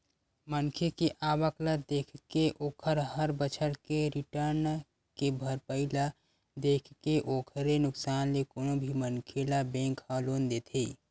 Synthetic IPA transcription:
mənkʰekeʔaːwəklad̪eːkʰkeʔoːkʰəɾɦəɾbət͡ʃʰəɾkeɾɪʈəɾn | kebʱəɾpəɪla | d̪eːkʰkeʔoːkʰəɾenʊksaːnlekoːnobʱimənkʰelabẽːŋkaloːnd̪eːt̪ʰiː

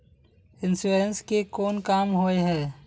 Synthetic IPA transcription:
ɪnsuːɾenskekoːnkaːmɦoːeɦɛː

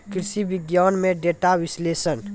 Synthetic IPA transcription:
kɪɾsiʋɪɡjaːnmẽɖeːʈaʋɪsleːsən

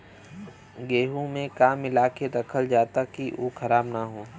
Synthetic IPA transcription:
ɡeːɦũmẽkaːmɪlaːkeɾɐkʰəld͡ʒaːt̪akiʔoːxʰɐɾaːbnaɦoː

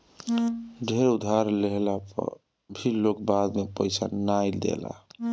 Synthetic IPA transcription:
ɖʱeɾud̪ʱaɾleɦla̰ | bʱilokbad̪mepəjsa̰najld̪ḛla̰

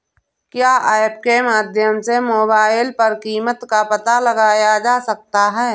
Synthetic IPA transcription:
kjaːʔaːɪp̚kemaːd̪ʱjəmsemoːbaːɪlpəɾkiːmət̪kapət̪aləɡaːjad͡ʒaːsək̚t̪aɦɛː

